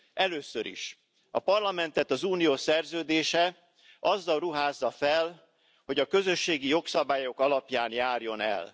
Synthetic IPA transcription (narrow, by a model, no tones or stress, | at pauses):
ʔɛløːsøɾḭʃ | ɒ̰pɒrlɒmɛn̪t̪ɛt̪ɒzuːnijoːsɛrzøːd̪eːʃɛ | ʔɒzːɒlruɦaːzːɒfɛl | ho̞ɟɒkø̞zø̞ʃːeːɡijo̞ksɒbaːjo̞kɒlɒpjaːnjaːrjo̞nɛ̰l